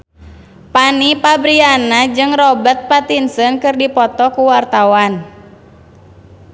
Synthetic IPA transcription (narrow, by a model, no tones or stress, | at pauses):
panipabɾianad͡ʒɨŋrɔbərt̪̚pat̪insənkɨrdipɔt̪ɔkuwart̪awan